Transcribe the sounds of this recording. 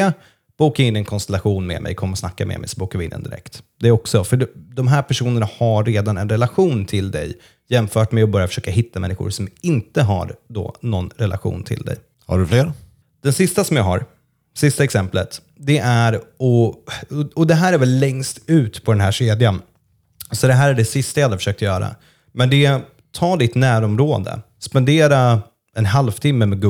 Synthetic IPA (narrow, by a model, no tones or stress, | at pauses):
a | b̥uːkaɾɪnːɪɛnkʰɔnst̪ɛlaɧuːnmɛ̰ːmʔɛ̰jkʰɔmːəɾɔsnakːamɛ̰mɛ̰jsɔbuːkavɪɪ̰nːɛ̰nd̪ɪ̰ɾɛ̰kt̪d̪ɛæɾɔksɔfœɖd̪ɔmɦæːɾpʰæʂuːnəɳahaːeːd̪anɛnɾɛlaɧuːnt̪ʰɪld̪ɛ̰j | jɛmfœːʈmɛɔbœɾjafœ̥ʂøːkaɦɪt̪ːamɛ̰nːɪxʊ̰ɾsɔmɪnt̪əɦa̰ɾd̪ɔ̰nɔnɾɛlʔa̰ɧṵːnt̪ʰɪ̰ld̪ɛ̰j | ha̰ɖɵfleːɾ | d̪̥ɛnsɪst̪asɔmjɑːɦa̰ɾ | sɪst̪aɛksɛmplə̰t̪ | d̪ɛʔæɾɔ | ɔd̪ɛɦæːɾæɾvɛlːɛŋst̪ʉ̟ːt̪pʰɔd̪ɛnɦæːʂeːd̪jan | sɔd̪ɛɦæːɾæɖɛsɪst̪ajahad̪əfœ̥ʂøːk̚t̪əjœːɾa̰ | mɛnd̪ɛ | t̪ʰɑːd̪ɪt̪næːɾɔmɾoːd̪ə̰ | spɛnd̪eːɾa | ɛnɦalvt̪ʰɪmːəmɛɡ